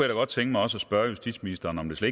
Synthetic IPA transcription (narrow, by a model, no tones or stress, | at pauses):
ejæɾ̥ɑɡɒ̽d̥t͡sʰeŋɡ̥əmɑ̈ɪɒ̽s̬ɒsb̥ɶɐjusd̥id̥sminisd̥ɐːn̩ɒ̽md̥e̝sle